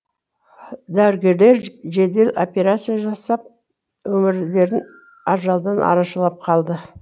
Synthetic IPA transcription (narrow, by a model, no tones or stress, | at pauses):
d̪æwɾɡʲe̞ɾle̞ɾʒe̞d̪e̞lo̞̰pʲe̞ɾat̪sɨjaʒɑsɑp̚ | wɵmɪɾle̞ɾɪn | ɑɾʒɑlˠd̪ɑnʔɑ̰ɾɑʃəlˠɑp̚qʰɑlˠd̪ə